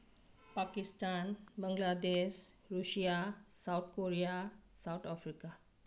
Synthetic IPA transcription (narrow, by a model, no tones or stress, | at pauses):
pakist̪anbəŋɡlad̪eɕɾusjasawt̪̚ʰkoɾijasawt̪ʰafɾika